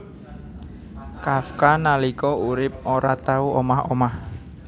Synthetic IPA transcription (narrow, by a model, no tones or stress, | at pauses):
kafkanalikɔuɾɪp̚oɾat̪auʔomahomah